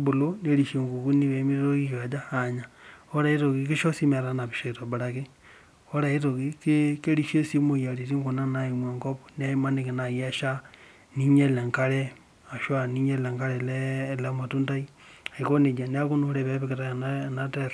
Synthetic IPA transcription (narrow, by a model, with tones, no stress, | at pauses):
bo˨lo˦ne˦ɾi˨ʃe˨ŋɡo˨ku˦ni˦βe˨˦mi˦ɾɾo˦ki˦ka˨d͡ʒaː˦˨ɲa˨o˦ɾa˨i˦ɾo˨ɣi˦ki˦ʃo˦si˦ma˨ɾa˦na˨βi˨ʃo˨i˨to˨ba˨ɾa˨ke˦ | o˦ɾa˨i˦to˨ɣi˦ki˦ke˦ɾi˨ʃe˦si˦mo˨ja˨ɾi˨ɾi˦ŋɡo˨na˦na˨i˨mwa˨ŋko˦po̥ne˦ma˦ne˨ki˨na˨je˦ʃa˦ | ni˦ɲe˦le˨ŋka˦ɾe˦ | a˨ʃwa˨ni˦ɲe˦le˨ŋka˦ɾeleː˦˨la˦ma˨tu˦nta˦i˦ | a˨i˨ko˦ne˨d͡ʒa˨ne˦a˦ku˦nu˦ɾe˦βe˦βe˦ke˨ta˦nana˦te˦ɾ